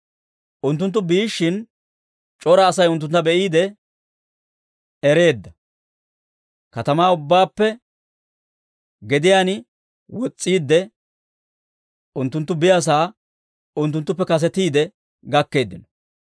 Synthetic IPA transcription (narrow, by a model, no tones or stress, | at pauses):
ʔʊnt̪̬ːʊnt̪ːʊbiːʃːɪn | t͡ʃʼɔɾɐːsɐjʊnt̪ːʊnt̪ːɐbɛʔiːd̪ɛ | ɛɾe̞ːd̪ːɐ | kɐt̪ɐmaːʊbːaːpːɛ | ɡɛd̪ɪjaːnɪ | wɔt͡sʼːiːd̪ːɛ | ʊnt̪ːʊnt̪ːʊbɪjas̬aː | ʊnt̪ːʊnt̪ːʊpːɛkɐs̬ɛt̪iːd̪ɛ | ɡɐkːe̞ːd̪ːɪnɔ̥